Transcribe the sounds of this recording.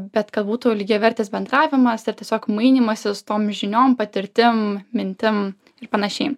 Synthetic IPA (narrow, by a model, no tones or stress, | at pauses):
bʲɛt̪kɐt̪buːt̪ʊlʲɪɡʲɛʋʲɛɾʲt̪ʲeːsbʲɛnd̪ɾɑːʋʲɪmɐsɪɾt̪ʲiɛsʲoːkmɐɪnʲiːmɐsʲɪsʊ̥t̪oːmʒʲɪnʲoːmpɐt̪ʲɪɾʲt̪ʲɪmmʲɪnʲt̪ʲɪm | ɪɾpɐnɐʃʲɛɪ